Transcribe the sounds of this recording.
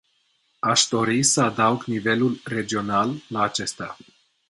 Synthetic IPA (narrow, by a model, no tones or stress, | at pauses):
aʃd̪o̞ɾisəad̪auɡnive̞lulre̞d͡ʒio̞nalːaːt͡ʃe̞st̪a